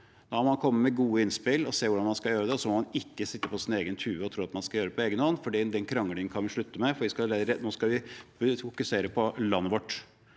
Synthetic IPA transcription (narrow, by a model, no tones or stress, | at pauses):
d̪̥ɑmɔmɑnkʰɔmːəmɛɡuːəɪnspɪlɔseːʋʊɖɑnmɑnskɑljøːɾəd̪ɛɔsɔmɔmɑnɪkːəsɪt̪ːəpʰɔsɪneːɡənt̪ʰʉːʋəɔt̪ʰɾuːɑt̪mɑnskɑjøːɾəpʰɔeːɡənɔnːfɔɖid̪ɛnkʰɾɑŋːəlɪŋənkʰɑnʋɪʂɭʉt̪ːəmɛfɔʋɪskɑɾnoːskɑʋɪfʊkʉseːɾəpʰɔlɑnːəʋɔʈː